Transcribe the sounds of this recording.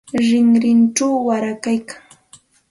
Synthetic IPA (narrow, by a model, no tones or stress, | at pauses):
ɾɪŋɾɪnʈ͡ʂawːaɾakajkaŋ